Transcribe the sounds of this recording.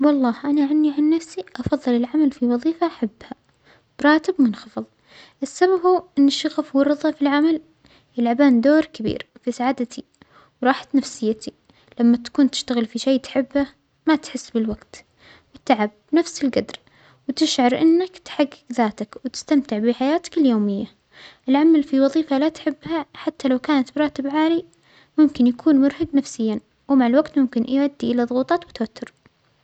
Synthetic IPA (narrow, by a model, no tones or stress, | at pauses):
wɑlˤːɑːhʔanaʕanːiʕanːafsiʔɑfɑðˤːɨlɪlʕamalfiwɑðˤiːfaʔaħabːha | bɾˤɑːt̪ɪbmɪnxɑfɨðˤ | ʔɪsːababhuːʔɪnːɪʃɑɣafwɑrˤɨðˤɑfilʕamal | jɪlʕabaːnd̪oːɾkabḭːɾfisaʕaːd̪at̪ʰi | wɾˤɑːħḁt̪nafsɪjːat̪ʰi | lamːat̪ḁkuːnt̪ɪ̥ʃt̪aɣɪlfiʃajːt̪ħɪbːa | mat̪ħɪsːbɪlwaɡt̪ | wɪt̪aʕab | nafsɪlɡad̪ɾ | wt̪ɪʃʕɑɾˤʔɪnːakt̪ħaɡːɪɡðaːt̪akwt̪ɪ̥st̪amt̪ɪʕbɪħajaːt̪ḁkɪljoːmɪjːa | ʔɪlʕamalfiwɑðˤiːfalat̪ħɪbːhaħat̪ːalawkaːnat̪bɾˤɑːt̪ɪbʕaːli | mʊmkɪnjakʰuːnmʊɾhaɡnafsɪjːa | wmaʕɪlwaɡt̪mʊmkɪnʕad̪ːiʔɪlaðˤʊɣuːt̪ˤɑːt̪wɪt̪wat̪ːʊɾ